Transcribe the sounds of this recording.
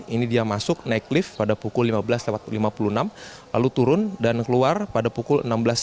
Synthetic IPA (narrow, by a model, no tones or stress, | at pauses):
inidiamasʊk̚naiklɪfpadapukʊlːimabəlaslawat̪̚limapulunam | la̰lut̪uɾʊndankəluarpadapukʊlə̰nambəlas